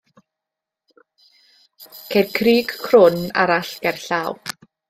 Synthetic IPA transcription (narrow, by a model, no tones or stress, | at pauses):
kʰedkʰriːɡkʰrʊna̰ɾaɬɡ̥ɛrɬaːw